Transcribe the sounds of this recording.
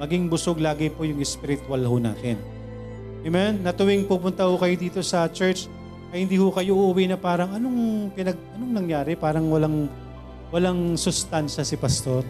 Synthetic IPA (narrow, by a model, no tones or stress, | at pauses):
mɐɡiŋbʊsoɡlaːɡɛpojʊŋɛspɪɾɪt̪ʊalɦona̰ːt̪ɛn | ʔɛmɛnːɐt̪ʊwɪŋpupʊnt̪ɐhʊkɐjod̪iːt̪o̞sɐt͡ʃɛɹt͡ʃ | ʔɐhɪnd̪iːhʊkɐjo̞ʔʊʔːwinɐpaːɾɐŋɐnoŋpɪnɐɡ̚ʔɐnoŋnɐŋjaːɾɛpaːɾɐŋwɐlaŋ | wɐlaŋsʊst̪anʃɐsɪpɐst̪oɾ